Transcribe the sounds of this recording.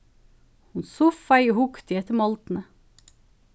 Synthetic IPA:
hʊnsʊfɑɪohʊkt̪ɪɛt̪əmɑlt̪n̩ə

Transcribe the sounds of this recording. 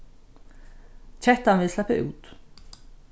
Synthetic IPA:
t͡ɕʰɛht̪anvɪðslɛpːɪʔṵːt̪

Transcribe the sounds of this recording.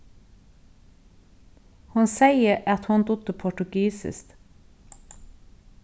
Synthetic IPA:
hʊnsæɪəʔɑt̪hʊnd̪ʊd̪əpʰɔʈʉɡiːsɪ̰st̪

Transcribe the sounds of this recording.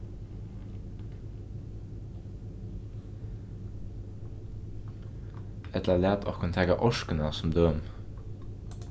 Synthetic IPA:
ɛt̪ləlæːt̪ʰo̰ːkʰnt̪ʰɛːkɑʔɔʃkənəsɔmd̪øːm

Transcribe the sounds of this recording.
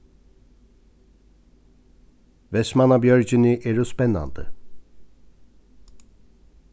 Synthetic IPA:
vɛsmanabjøɾd͡ʒyniʔeɾusbɛnːa̰nd̪ɯ̰

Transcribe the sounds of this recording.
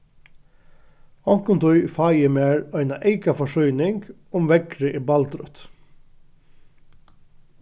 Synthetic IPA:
ɔŋkʊnt̪ʰɔʏfɑːjəmeːɹœɪnaʔeɪkafɔʂœʏnɪŋɡ | ʊmʋɛɡɾəʔiːbɑlt̪ɾœ̰t̪

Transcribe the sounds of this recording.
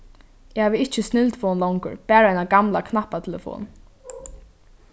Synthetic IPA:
ɛhaːvəɪht͡ʃːɪst̪nɪlt̪fɔːnlɔwŋkʊ̰ɹpæːɾaajnaɡamla̰kʰnahpːat̪ʰɛlɛ̰fɔ̰ːn

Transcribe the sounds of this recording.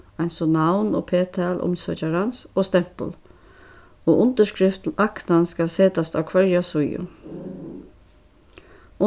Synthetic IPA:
ajnsɔnawnɔ̰pʰeːt̪ʰaːlʔʊ̰msœ̰t͡ʃaɾansɔːst̪ɛm̥pə̰l | oːʔʊnt̪əʂkɾɪft̪l̩aknanskalseːt̪ast̪a̰wkʰvɛɹjasʊjjʊ̰ | ʊ

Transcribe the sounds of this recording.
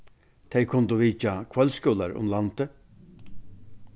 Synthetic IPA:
t̪ʰɛjkʰʊnt̪ʊʋiːt͡ʃakʰvœlskœːlaɾʊ̰mlant̪ə

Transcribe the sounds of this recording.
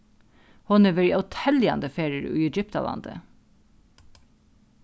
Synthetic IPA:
hʊnəʋɛɹiʔɑt̪ʰɛljɑ̰nd̪əfeːɹɪəɹʉ̰ːɛd͡ʒʏpt̪ɑ̰lɑ̰nd̪ə̰

